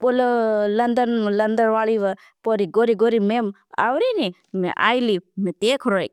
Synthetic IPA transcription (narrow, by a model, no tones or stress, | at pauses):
pololɐnd̪ənlɐnd̪əɾʋaːɭiʋə | poɾiɡoɾiɡoɾimem | a̰ʋɾini | mḛ̃ʔa̰ːjlimẽt̪eːkʰɾojk